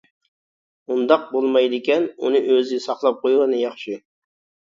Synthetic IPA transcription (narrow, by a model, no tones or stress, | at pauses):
und̪ɑq̚bolˠmɑjd̪ɪkʲɛnṵnɨʔøzɪsɑχlˠɑp̚qʰojʁɨnɨjɑχʃi